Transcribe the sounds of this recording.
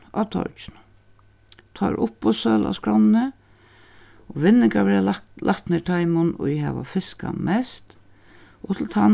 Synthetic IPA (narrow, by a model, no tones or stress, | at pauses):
at̪ʰɔ̰ɹt͡ʃnʊ | t̪ʰɑɾʔʊpːɔsœːla̰skɾɔnnə | ɔʋɪnːɪŋkaʋɛɾalʔat̪neʈʰajmʊnɔjɪɦɛʋa̰fɪska̰mʔɛst̪ | ɔt̪ʰɪl̩t̪ʰan